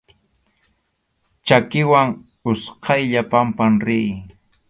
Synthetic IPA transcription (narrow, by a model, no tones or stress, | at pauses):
t͡ʃakɪwaŋ | ʊsqʰɑjʎapampamɾɪj